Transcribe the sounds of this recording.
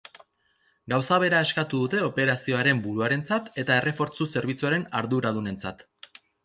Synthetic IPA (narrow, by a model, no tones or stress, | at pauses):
ɡawsaβ̞e̞ɾae̞skat̪uðut̪e̞o̞pe̞ɾasio̞aɾe̞mbuɾuaɾe̞nt͡sat̪e̞t̪ae̞rʔe̞fo̞ɾt͡suse̞ɾβ̞it͡suaɾe̞naɾðuɾað̞une̞nt͡sat̪